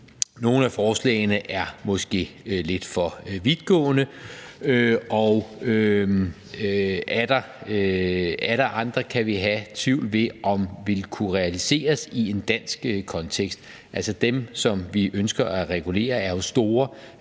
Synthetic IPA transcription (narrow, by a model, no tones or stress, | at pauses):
no̝ːn̩æfɒːslɛ̰ːɪnəʔæɐmɒ̽sɡ̥e̝̰ːle̝d̥fɒ̽ʋiðˠɡ̥ɔ̰̽ːnəøɒʊø | æd̥ɐ | æl̥ɐʔɑ̈nd̥ʁɐkʰæʋiɦæt͡sʰʋiʊ̰lʋe̝ʔɒ̽mʋe̝lkʰuʁɛælise̝̰ːɐsie̝nd̥æn̰sɡ̥kʰɒ̽nt͡sʰeɡ̥sd̥ | ʔælsɒd̥emsɒ̽mʋiʔønsɡ̥ɐʔæʁɛɡ̥ule̝̰ːɐæɐjo̝sd̥o̝ːɐ